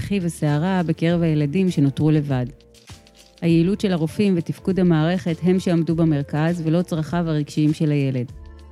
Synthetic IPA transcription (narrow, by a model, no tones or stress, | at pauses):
χivaseaʁabeke̞ʁe̞vhajeladimʃe̞notʁule̞vad | hajeilutʃe̞laʁofimvetifkudhamaːʁe̞χe̞tɦe̞mʃeamdubame̞ʁkazve̞lo̞t͡sʁaχavaʁiɡ̥ʃiimʃe̞laje̞le̞d